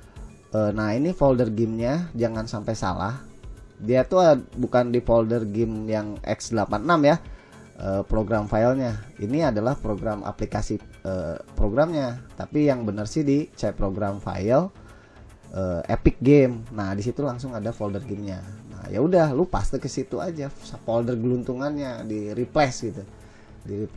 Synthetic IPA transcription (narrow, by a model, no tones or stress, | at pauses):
ʔəːnahinifoldərɡɪmɲad͡ʒaŋansampajsa̰la̰hdiat̪uabukandifoldərɡɪmjaŋʔɛ̰ksdəlapanənamja | ʔəːpɾoɡɾamfalɲainiadalahpɾoɡɾama̰plikasiəːpɾoɡɾamɲat̪apijaŋbənərsidit͡ʃajpɾoɡɾamfa̰jəl | ʔəḛpɪk̚ɡemnahdisit̪ulaŋsʊŋadafoldərɡɪmɲana̰ja̰udahlopast̪əkəsit̪uad͡ʒasəpoldərɡəlunt̪uŋanɲadiɾiplɛsɡit̪u | diɾip